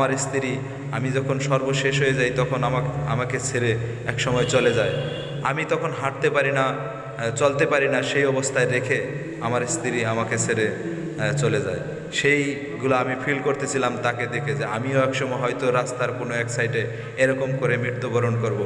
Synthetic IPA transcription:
maɾest̪ʰiɾi | amid͡ʑɔkʰonʃɔɾboʃeʃ̬ɦojed͡ʑajt̪ɔkʰonamaa̰makesʰeɾe | ɛkʃɔmɔet͡ɕoled͡ʑae | amit̪ɔkʰonɦaʈ̚t̪epaɾina | t͡ɕolt̪epaɾinaʃejɔbost̪ʰaed̪ekʰe | amaɾst̪ʰiɾiamakesʰeɾe | t͡ɕoled͡ʑae | ʃej | ɡulaamipʰilkoɾt̪et͡ɕʰilamt̪aked̪ekʰed͡ʑeamioɛkʃɔmɔeɦɔjt̪oɾast̪aɾkonoɛksajʈe | eɾɔkomkoɾemɾit̪ːobʱɔɾonkoɾbo

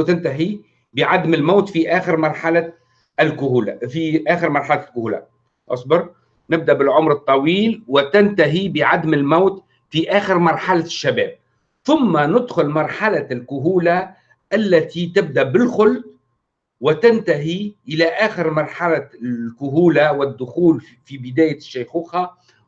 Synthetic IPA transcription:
t̪ɪnt̪aɦi | bɪʕad̪mɪlmaːt̪fiʔaːxɪɾmɑɾˤħala | ɪlkʊhuːlafiʔæːxɪɾmɑɾˤħalalkʊhuːla̰ | ʔɑ̰sˤbɑɾ | nɪb̚d̪aʔbɪlʕʊmɾɨt̪ˤːɑwiːlwɪt̪ɪnt̪aɦibɪʕad̪mɪlmaːt̪ | fiʔæːxɪɾmɑɾˤħalaʃːabɛːb̚ | θʊmːanʊd̪xʊlmɑɾˤħalalkʊɦuːla | ʔalːæt̪it̪ɪb̚d̪aʔbɪlxʊlt̪ | wɪt̪ɪnt̪aɦiʔɪlaʔæːxɪɾmɑɾˤħalakʊɦuːlawɪd̪ːʊxuːl | fibɪd̪æːjɪʃːajxuːxa

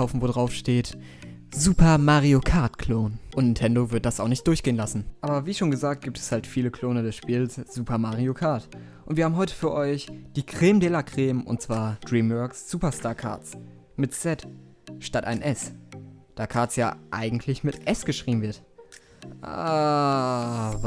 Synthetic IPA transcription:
aʊfn̩voːdʁaʊfʃteːt | zuːpʰɐmaːʁiokʰaːtkʰl̥oːnʔʊntnɪntʰɛndovɪɐt̚d̥asaʊxnɪçtd̥ʊɐçɡ̥eːənlasn̩ʔaːbɐviːʃoːnɡəzaːkt̚ɡ̥iːp̚tʰɛ̥shaltfiːləkʰl̥oːnədɛsʃpiːlsz̥uːpʰɐmaʁiokʰaːɐt | ʔʊntv̥iɐhaːbm̩ɦɔʏtə̥fyːɐʔɔʏçd̥iːkʁ̥eːmdɛːlakʁ̥eːmʔʊ̰nt̚t͡sv̥aːɐd̥ʁiːmbœksz̥uːpɐstaːɐkʰa̰ːɐs | mɪtsɛt | ʃtataɪnʔɛsd̥aːkʰaɐt͡sjaːʔa̰ɪɡŋ̩tʰlɪçmɪtʔɛsɡ̥əʃʁ̥iːbmn̩vɪɐt | ʔa̰

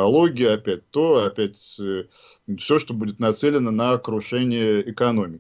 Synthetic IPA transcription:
ɐlˠo̞ɡʲɪjəɐpʲæt̚ʲt̪o̞ɐpʲætʲ | fsʲo̞ʂt̪o̞budʲɪt̪nɐt̪sɛlʲɪnənəːkɾʊʂɛnʲɪjəɪkɐno̞mʲɪ

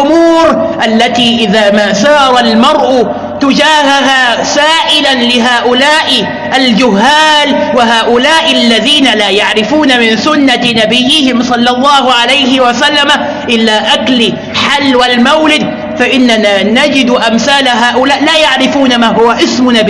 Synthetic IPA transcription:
ʔʊmuːɾʔalːat̪iːʔɪðaːmaːsɑːɾˤɑlmɑɾˤʔʊ | t̪ʊd͡ʒaːɦaɦaːsaːʔɪlanlɪɦaːʔʊlaːʔɪ | ʔald͡ʒʊɦːaːlwɪɦaːʔʊlaːʔɪlːaðiːnalaːjaʕɾɪfuːnamɪnsʊnːanabɪjːɪhɪmsˤɑlːɑlˤːɑːhʊʕalajhɪwasalːama | ʔɪlːaːʔaklɪ | ħalːwalmawlɪd̪̚ | faʔɪnːanaːnad͡ʒɪd̪ʔamθaːlaɦaːʔʊlaːʔlaːjaʕɾɪfuːnamaːhʊwaʔɪsmʊnabɪ

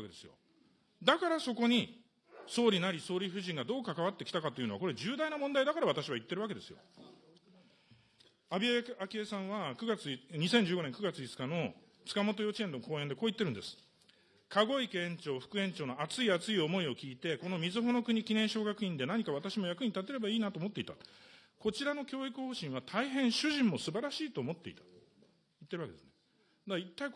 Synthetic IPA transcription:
akee̞sɨjo̰ | d̪akaɾaso̞ko̞ɲ̟i | so̞ːɾʲinaɾʲiso̞ːɾʲiɸɯ̟ʑĩŋɡad̪o̞ːkakaβat̪ːe̞kʲi̥t̪akat̪o̞iɯ̟noako̞ɾe̞ʑɨːd̪ainamond̪aid̪akaɾaβat̪aɕiβait̪ːe̞ɾɯ̟βake̞d̪e̞sɨjo̞̰ | abʲiaake̞ːsãɰ̃βakɯ̟ɡat͡sɨɲ̟isẽɲ̟d͡ʑɨːɡo̞nẽ̞ŋkɯ̟ɡat͡sɨit͡sɨ̥kano̞ | t͡sɨ̥kamo̞t̪̬o̞jo̞t͡ɕiẽ̞nd̪oko̞ːend̪e̞koːit̪ːe̞ɾɯ̟̃nd̪e̞sɨ̥ | kʰaɡo̞ikẽ̞ɲ̟t͡ɕo̞ːɸɯ̟̥kɯ̟ẽ̞ɲ̟t͡ɕo̞ːno̞at͡sɨiat͡sɨio̞mo̞io̞kʲiːt̪e̞ko̞no̞mʲizɨɦo̞no̞kɯ̟ɲ̟ikʲinẽɕo̞ːɡakɯ̟ĩnd̪e̞naɲ̟ikaβat̪aɕimo̞jakɯ̟ɲ̟it̪at̪̬e̞ɾe̞baiːnat̪oːmo̞t̪ːe̞it̪ako̞t͡ɕiɾano̞kʲo̞ːikɯ̟ho̞ːɕĩɰ̃βat̪ʰaiɦẽ̞ɰ̃ɕɨʑĩmːo̞sɨbaɾaɕiːt̪o̞ːmo̞t̪ːe̞it̪ḁ | it̪ːe̞ɾɯβakeesɨne | d̪ait̪ːai

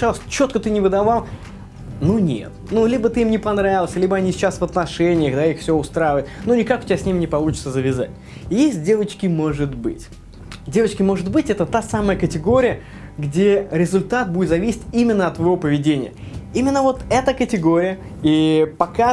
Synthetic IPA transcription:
alˠəsʲt͡ɕo̞t̪̚kət̪ɨnʲɪvɨd̪ɐvalˠ | nunʲḛt̪nulʲibət̪ɨimnʲɪpɐnɾavʲɪlˠəsʲlʲibəɐnʲisʲɪt͡ɕasvɐt̪nɐʂɛnʲɪjəɣd̪aixfsʲɪoʊst̪ɾajɪvəjɪt̪nunʲɪkakʊ̥tʲɪbʲasʲnʲimʲnʲɪpɐlˠut͡ɕɪ̥t̪səzəvʲɪza̰tʲ | jesʲt̚ʲdʲe̞vət͡ɕkʲɪmo̞ʐɨt̪bɨ̰tʲ | dʲe̞vət͡ɕkʲɪmo̞ʐɨt̪bɨtʲɛt̪ət̪asaməjəkətʲɪɡo̞ɾʲɪjə | ɡdʲeɾʲɪzʊlʲt̪at̪̚budʲɪt̪zɐvʲisʲɪ̥tʲimʲɪnːəɐt̪ːvɐjvopəvʲɪdʲenʲɪ̰jə̰ | imʲɪnːəvo̞t̪ɛt̪əkətʲɪɡo̞ɾʲɪjə | ipɐka

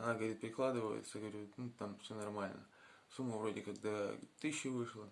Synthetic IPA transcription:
ɐnaɡəvəɾʲit̪̚pɾʲɪklˠad̪ɨvəjɪ̰t̪səɡəvɐɾʲunut̪amfsʲonɐrmalʲnə̰ | sumːəvɾo̞dʲɪkɐɡd̪at̪ɨɕːɪvɨʂlˠə

